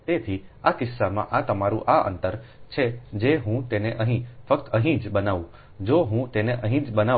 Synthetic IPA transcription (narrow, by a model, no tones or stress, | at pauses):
t̪et̪ʰiakɪsːamã̰ʔat̪əmaɾũʔaə̰nt̪əɾt͡ʃʰed͡ʒeɦũt̪eneʔəɦĩfəkt̪əɦĩd͡ʒbənaʋũ | d͡ʒoɦũt̪eneʔəɦĩd͡ʒbəna